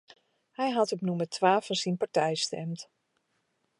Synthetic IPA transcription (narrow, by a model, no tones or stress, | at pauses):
hɛjɦɑtɔpnumərtʋaːfɔnsinpaɹtɛjstɛ̰mt